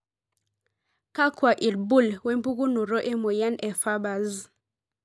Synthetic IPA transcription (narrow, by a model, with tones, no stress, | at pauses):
ka˦kwa˨ʔi˨lbu˦˨lwɛ˦mbu˦ku˦nu˨ɾɔ˦ʔɛ˦mo˨ja˦nɛ˨fa˦ba˨z